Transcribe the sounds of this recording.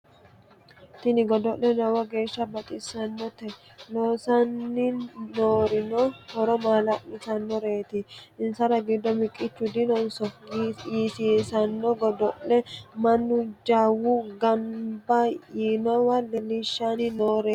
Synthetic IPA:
t̪ɪnɪɡɔd̪ɔʔlɛnɔwɐɡe̞ːʃːɐbɐt̪ʼɪsɐnːɔt̪ɛ | noːsɐnːɪnoːɾɪnɔhɔɾɔmaːlɐʔɪsɐnːɔɾeːt̪ɪʔɪnsɐɾɐɡɪd̪ːɔmɪkʼːɪt͡ʃːʊd̪ɪnɔnsɔjiːsiːsɐnːɔɡɔd̪ɔʔlɛmɐnːʊd͡ʒaːwuɡɐmbɐjiːnɔwɐlɛlɪʃːanɪnoːɾeː

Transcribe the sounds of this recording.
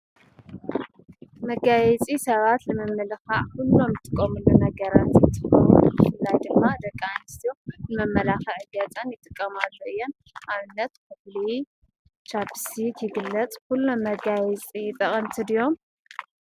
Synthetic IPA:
mɐɡajɛt͡sʼisɐβat̪lɨmɨmːɨlxaʕkulːo̞mjɨt̪ʼɨkʼːɐmɨlːunɐɡɐɾat̪jɪt̪ʼːɨkʼːɐmṵbɨfɨlːajd̪ɨmːad̪ɐkʼːanɨst̪ijonɨmɐmːɐlaxɐʕɨɡɐt͡sʼɐnjɪt̪ʼɨkʼːɐmalːoʔɨjːo̞n | ʔaβɨnːɐt̪kʰɨfli | t͡ʃabsit̪ʰjɪɡɨlːɐt͡sʼkulːo̞mːɐɡajɛt͡sʼit̪ʼɐχʼɐnt̪ʰɨd̪ijo̞m

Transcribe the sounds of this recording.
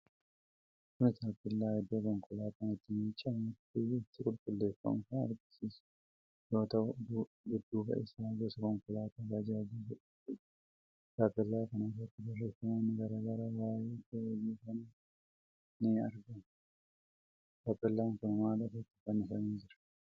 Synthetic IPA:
kʊnɪt̪aːpːɪlːaːhɛd̪ːoːkɔŋkʊlaːt̪ɐnɛt̪ːɪmiːt͡ʃʼːamʊt̪ːɪːt̪ːɪkʼʊlkʼʊlːe̞ːfːɐ̰mʊkɐnɐ̰ɾɡɪsiːs | jo̞ːt̪ɐʔʊd̪ | ɡʊd̪ːuːbɐ̰ʔɪ̰saːɡesɐkɔŋkʊlaːt̪aɡɐd͡ʒaːd͡ʒisɐ | t̪ːɪ | taːpːɪlːaːkɐnɐd͡ʒot̪ːɪd̪ɐrːeːfɐmanːɪɡɐɾɐɡɐɾɐbaːjeːt̪ejuːkɐn | nɪɐɾɡɐn | kapːɛlːaːŋkɐnmaːlɐfɐt̪ːɪ̥kɐnɪsɐniːnd͡ʒɪɾɐ̥

